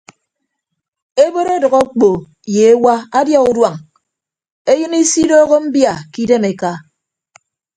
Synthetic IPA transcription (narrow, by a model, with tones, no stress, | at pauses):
e˦bo˦ɾe˦dʌ˨ɣɔ˦k͡po˨ | je˨e˦wa˦a˦djɔ˦u˦dwa˨ŋ | e˦jɨ˦ni˦si˦doː˦ɣo˦m̩˦bja˨ki˦de˦me˨ka˦